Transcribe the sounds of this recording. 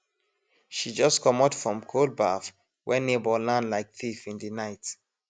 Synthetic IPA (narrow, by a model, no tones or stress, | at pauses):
ʃid͡ʒɔskʰɔmɔtfɹɔ̃mkʰol̚baf | wʔɛnebɔlãnlaɪk̚θifĩndinaɪt